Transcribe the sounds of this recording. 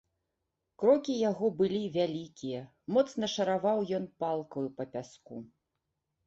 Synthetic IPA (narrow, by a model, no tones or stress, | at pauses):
kɾɔkʲijaɣɔbɨlʲivʲalʲikʲijɐ | mɔt̪snɐʂɐɾavawjɔnpalˠkɐjupɐpʲasku